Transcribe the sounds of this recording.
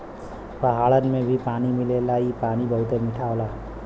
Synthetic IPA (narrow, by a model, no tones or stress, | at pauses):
pəɦaːɭənmẽbʱipaːnimɪlelaipaːnibəɦʊt̪emɪʈʰaːola